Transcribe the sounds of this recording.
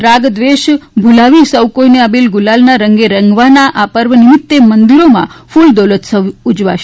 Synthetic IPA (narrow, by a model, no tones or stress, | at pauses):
ɾaɡd̪ʋeʃbʱulaʋisəwkojneəbilɡʊlalnaɾəŋɡeɾəŋɡʋanaʔapəɾʋənɪmɪt̪ːemənd̪iɾomã̰fʰuld̪olət̪səʋud͡ʒʋa̰ʃ